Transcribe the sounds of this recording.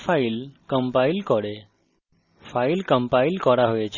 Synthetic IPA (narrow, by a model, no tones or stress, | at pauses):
failkəmpailkɔɽe | fʰailkəmpailkɔɾaɦojet͡ʃʰ